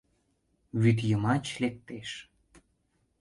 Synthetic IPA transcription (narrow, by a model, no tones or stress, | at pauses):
βyt̪̬jəmɑt͡ɕlek̚t̪eʃ